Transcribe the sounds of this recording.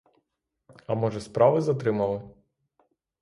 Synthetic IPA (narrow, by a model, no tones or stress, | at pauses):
ɐmɔʒɛspɾɑʋɪzɐt̪ɾɪmɐlˠɪ